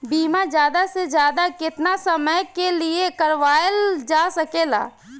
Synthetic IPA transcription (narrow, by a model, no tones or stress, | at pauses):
biːmad͡ʒjaːd̪ased͡ʒjaːd̪akɪt̪nasəməjkeliekəɾʋaːjld͡ʒaːsɐkeːla̰ː